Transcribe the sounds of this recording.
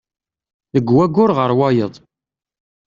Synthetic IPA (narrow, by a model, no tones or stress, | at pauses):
ðəɡwæɡʊɾʁəɾˤwɑjəðˤ